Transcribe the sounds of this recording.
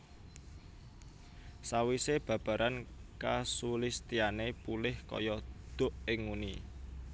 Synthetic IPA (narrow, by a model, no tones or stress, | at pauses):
sawiseb̥ä̤b̥ä̤ɾʔankasulist̪ianepulɪhkɔ̰jɔd̪̥ʊ̤ʔɪŋːuni